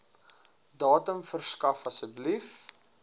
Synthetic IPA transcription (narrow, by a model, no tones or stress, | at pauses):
dɑːtəmfərskɐfɐsəblif